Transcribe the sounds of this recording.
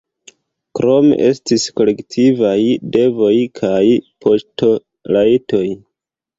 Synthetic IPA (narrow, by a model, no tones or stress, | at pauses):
kɾo̞me̞̰ʔe̞stisko̞le̞ktʰivajde̞vo̞jkʰajpʰo̞sto̞ | lajto̞j